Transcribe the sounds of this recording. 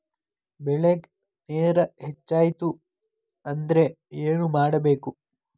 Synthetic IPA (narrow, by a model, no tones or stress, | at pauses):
bɛɭeɡ | neːɾɐɦet͡ʃːaːjit̪u | ɐnd̪ɐɾe̞ | eːnumaːɽɐbe̞ːku